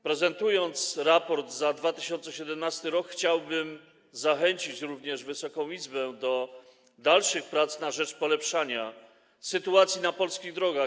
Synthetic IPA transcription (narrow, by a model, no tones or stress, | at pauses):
pɾɛzɛnt̪ujɔnt̪sɾapɔɾd̪zad̪vat̪ɘɕɔnt̪sɛɕɛd̪ɛmnast̪ɘɾɔkxt͡ɕawbɘm | zaxɛɲt͡ɕit͡ɕɾuvɲɛʐvɘsɔkɔ̃w̃izbɛd̪ɔ | d̪alʂɘxpɾat̪snaʐɛt͡ʂpɔlɛpʂaɲa | sɘt̪uat̪sʲjinapɔlskʲiɣd̪ɾɔɡa